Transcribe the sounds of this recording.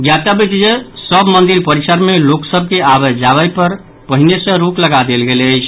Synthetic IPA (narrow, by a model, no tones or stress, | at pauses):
ɡjat̪abit͡ʃd͡ʒesəbmənd̪iɾpəɾisəɾmeloksəb̚ʱkeabəd͡ʒaβəjpəɾ | pəɦinesə̃ɾukləɡad̪elɡeləjt͡ʃʰ